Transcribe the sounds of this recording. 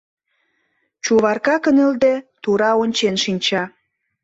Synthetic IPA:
t͡ɕuβɑrkɑkə̆nə̆ld̪ĕt̪uɾɑonʲt͡ɕenʃinʲt͡ɕɑ

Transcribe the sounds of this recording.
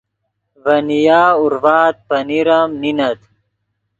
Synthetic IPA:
vɐnijaːuɾvaːt̪̚pɐniɾɐmninɐt̪

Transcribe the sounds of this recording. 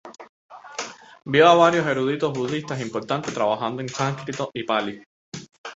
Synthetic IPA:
bjoaβaɾjoseɾuðit̪oɦβuðist̪asimpoɾt̪ant̪et̪ɾaβaɦãnd̪oeŋsãŋkɾit̪oʔipali

